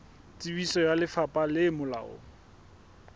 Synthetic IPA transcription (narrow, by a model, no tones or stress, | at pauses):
t͡sʼibisɔjalɪfapʼalɪmʊla̰ːɔ̰